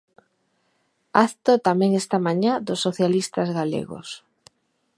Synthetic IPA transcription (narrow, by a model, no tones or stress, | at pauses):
aθt̪ot̪amẽŋest̪amãɲad̪ʊsːoθjalist̪azɣalḛɣo̰s